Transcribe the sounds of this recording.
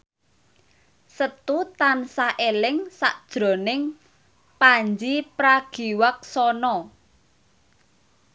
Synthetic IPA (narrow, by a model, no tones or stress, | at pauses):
sət̪ut̪ansaʔelɪŋsa̰ʔd̥ʒ̥ɾo̤nɪŋ | paɲd͡ʒipɾaɡ̥iwak̚sɔnɔ